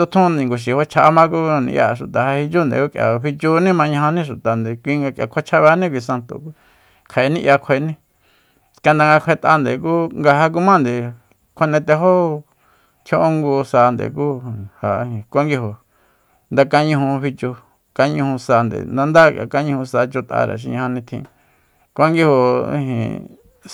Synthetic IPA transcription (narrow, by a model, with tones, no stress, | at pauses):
t̪o˧t̪ʰũ˦nd̪ẽ˨ŋɡo˨ʃ̬i˨ho˦t͡ʃʰa˧mã˦ku˦nḭ̃˧ja̰˧˨˧ʃu˨t̪a˨ha˧hi˧t͡ʃu˦nd̪ḛ˨ku˦˧kʼja̰˨βi˧t͡ʃu˧nĩ˦mã˧ɲã˧ɦã˧nĩ˦ʂu˨t̪a˨nd̪e˨kʷi˧ŋɡa˧kja̰˨kʷʰe˦t͡ʃʰa˧βa˧˦nĩ˦k̬ʷi˧sa˧nt̪o̰˨k | kʰa˨e˧nĩ˦˧ʔja˧kʷʰe˧nĩ˦ | ska˧nd̪a˧ŋɡa˧kʷʰe˧t̪a˧nd̪e˨ku˦ŋɡa˧ɦa˧k̬u˦mã˦nd̪e˨ | kʷʰe˧nẽ˧t̪e˧ɦo˦ | t̪ʰjo˦ʔo˦ŋɡu˧sa˧nd̪ḛ˨ku˦ha˨˧hĩ˨kʷa˦ŋɡi˧ho˨ | nd̪a˧ka˧ɲũ˧ɦũ˧βi˧t͡ʃo˧ | ka˧ɲũ˧hũ˧sa˧nd̪ḛ˨nd̪a˧nd̪a˦ka̰˧ka˦ɲũ˧hũ˧sa˧t͡ʃo˧t̪a̰˧ɾa̰˨ʃ̬ḭ˧ɲã˧ã˧nĩ˧t̪ʰḭ̃˧ | kʷa˦ŋɡi˦ho˧ḭ̃˧ɦḭ̃˨